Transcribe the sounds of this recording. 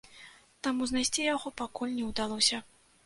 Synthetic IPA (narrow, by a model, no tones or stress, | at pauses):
t̪amuznajsʲt͡sʲijaɣɔpakulʲnʲɛwd̪alˠɔsʲɐ